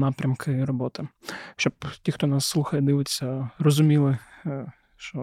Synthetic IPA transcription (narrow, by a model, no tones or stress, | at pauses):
nɑpɾʲɐmkʰɪrɔbɔt̪ɪʃt͡ʃɔptʲixt̪ɔnɑsːlˠuxɐjɐd̪ɪʋɪt͡sʲːɐrɔzʊmʲilˠɪ | ʃt͡ʃɔ